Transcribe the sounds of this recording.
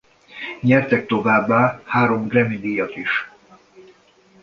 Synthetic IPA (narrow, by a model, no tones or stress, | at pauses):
ɲɛrt̪ɛk̚t̪o̞vaːbːaːhaːɾo̞mɡrɛmid̪iːjɒt̪iʃ